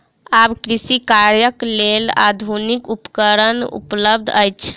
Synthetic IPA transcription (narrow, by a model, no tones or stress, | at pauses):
abkɾisikaɾjəklela̰d̪ʱunikupəkəɾənṵpləb̚d̪ʱəjt͡ʃʰ